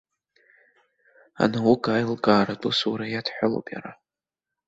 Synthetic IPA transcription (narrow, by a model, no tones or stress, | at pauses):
a̰nawuɡaːjlɡaːɾatʷʼusuɾajadħʷʊlo̰pʼja̰ɾa